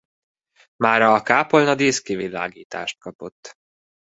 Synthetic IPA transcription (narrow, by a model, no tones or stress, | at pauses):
maːɾɒkaːpo̞lnɒd̪eːskivila̰ːɡiːt̪a̰ːʃt̪̚kɒpo̞t̪ː